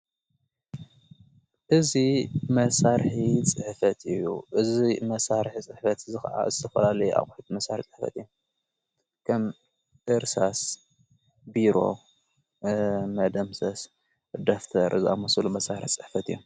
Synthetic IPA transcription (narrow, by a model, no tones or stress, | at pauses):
ʔɨzimɐsaɾħit͡sʼɨħfɐt̪ʰɨjṵʔɨzimɐsaɾħit͡sʼɨħfɐt̪zɨxɐʔa̰zɨt̪ʰɐfɐlalɐjua̰χʼħit̪mɐsa̰ɾħit͡sʼɨħfɐ̰t̪ɨjːu | kʰɐm | ʔɨɾsas | biɾo̞̰ | mɐd̪ɐmsɐs | d̪oft̪ʰɐɾʔɨzia̰mɐsulumɐsaɾɨħit͡sʼɨħfɐt̪ɨjːu